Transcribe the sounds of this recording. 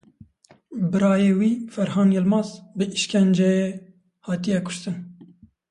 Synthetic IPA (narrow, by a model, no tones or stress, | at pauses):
bɨɾɑːjeːwiːfɛɾhɑːnjɛlmɑːzbɨʔiʃkʲʰɛnd͡ʒɛje | hɑːt̪ijɛkʰʊ̥ʃt̪ɨn